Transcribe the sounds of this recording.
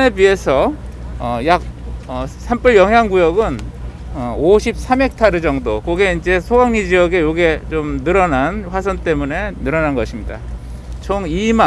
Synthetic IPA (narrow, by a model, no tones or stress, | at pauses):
nebie̞sʰʌʌjak̚ʌsʰamp͈ɯɭjʌŋɦjaŋɡujʌɡɯn | ʌoɕʰip̚s͈ʰame̞k̚tʰaɾɯd͡ʑʌŋdokoɡe̞ind͡ʑe̞sʰoɡaŋɲid͡ʑijʌɡe̞joɡe̞t͡ɕomnɯɾʌnanɸwas̬ʰʌnt͈e̞mune̞nɯɾʌnanɡʌɕʰimɲida̰ | t͡ɕʰoŋima